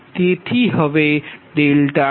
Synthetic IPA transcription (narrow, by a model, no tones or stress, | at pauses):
t̪et̪ʰiɦəʋeɖ̪elʈa